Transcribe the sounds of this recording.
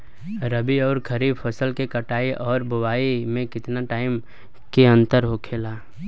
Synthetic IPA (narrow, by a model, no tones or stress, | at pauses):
ɾəbiɔːɾkʰəɾiːbfʰɐsəlkekɐʈaːiʔɔːɾbʊwaːimẽkɪt̪naʈaːɪm | keɐ̃nt̪əɾɦokʰeːlaː